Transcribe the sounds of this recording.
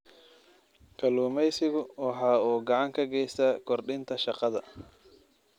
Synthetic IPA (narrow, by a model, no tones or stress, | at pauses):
kʰɐluːmɛjsɪɣʊwɑħɑːuːɡɑʕɑŋkʰɐɡɛjst̪aːkʰɔrɖɪnt̪ʰɐʃɑqɑðɐ